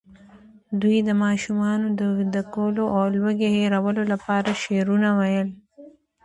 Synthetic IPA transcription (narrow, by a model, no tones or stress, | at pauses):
d̪wuid̪əmɑːʃumɑnod̪əwid̪akoloʔawlwəɡeheɾawəlolapɑɾaʃeɾunawajəl